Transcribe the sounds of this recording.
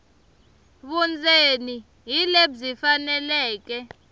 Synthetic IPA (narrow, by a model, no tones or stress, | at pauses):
ɓund͡zʱeni | ɦilebzifanɛlɛːk̬ɛ